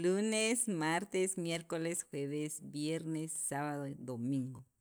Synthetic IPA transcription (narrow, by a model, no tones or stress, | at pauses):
lunesmaɾt̪esmjeɾkolesxweβesbjeɾnesːaβaðod̪omĩŋɡo